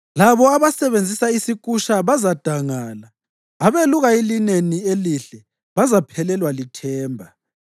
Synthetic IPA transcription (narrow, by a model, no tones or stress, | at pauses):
laβɔaβasɛβend͡zʱisaisikʼuʃaβazad̥ʱaŋaːla | aβeluɣaelinenieliɬɛ | βazapʰɛlɛlwalitʰɛːmbʱa